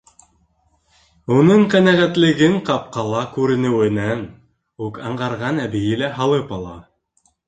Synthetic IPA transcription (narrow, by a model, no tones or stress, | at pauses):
unɤɴqænæʁæt̪lɘ̆ɡɘɴqɑp̚qɑlˠɑkʉɾɘ̆nɘ̆wɘ̆næn | ʉkɑɴʁɑɾʁɑnæbɘ̆jɘlæɦɑlˠɤpɑlˠɑ̰